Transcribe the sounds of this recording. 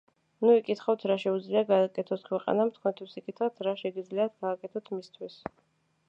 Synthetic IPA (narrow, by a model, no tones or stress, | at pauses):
nuikʼit̪ʰχawt̪ʰɾaʃɛud̪zliaɡaːkʼɛt̪ʰɔskʰwɛqʼa̰namt̪ʰkʰwɛnt̪ʰwisikʼit̪ʰχat̪ʰɾaʃɛɡid̪zliat̪̚ʰɡaːkʼɛt̪ʰɔt̪ʰmist̪ʰwis